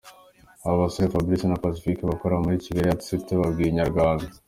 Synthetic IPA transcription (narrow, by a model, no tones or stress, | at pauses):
aβoβasoefabɾisinapas̬i̥fikeβakoɾaomuɾiciɡaɾiati̥siteβabɡiiɲaɾɡwaːŋɡa